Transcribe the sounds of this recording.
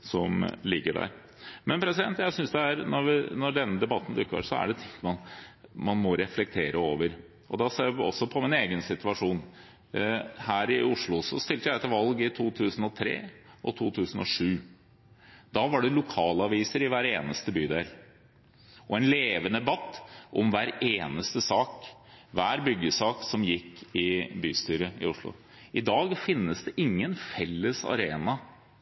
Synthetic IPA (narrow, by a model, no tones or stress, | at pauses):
sɔmlɪɡːəɖæ̰ːɾ | mɛnpʰɾɛsɪd̪ɛnt̪jæɪsʏnsd̪ɛæɾnɔɾʋɪnɔɖɛnːəd̪ɛbɑt̪ːn̩d̪ʉkːə̰ɾsɔæ̰ɖɛt̪ʰɪŋmɑnmɑnmɔɾɛflɛk̚t̪ʰeːɾəoːʋəɾ | ʔɔ̰d̪ɑseːɾɔ̰sːɔpʰɔmɪneːɡənsɪt̪ʉɑʂuːn | hæːɾɪʊʂɭʊsɔ̰st̪ɪlt̪əjæɛt̪ːəʋɑlɡɪt̪ʰuːt̪ʰʉːsən̩ɔt̪ʰɾḛːɔt̪ʰuːt̪ʰʉːsn̩ɔʂʉː | d̪ɑːʋɑɖɛlʊkʰɑːlɑʋiːsəɾɪʋæːɾeːnəst̪əbyːd̪eɾ | ʔɔɛnleːʋənəbɑt̪ːʔɔmʋæːɾeːnəst̪əsɑːkʋæːɾbʏɡːəsɑːksɔmjɪkːɪbyːst̪yːɾəɪ̰ʊʂɭʊ̰ | ʔɪd̪ɑːɡfɪnːəsd̪ɛʔɪŋːənfɛlːəsɑ̰ɾeːnɑ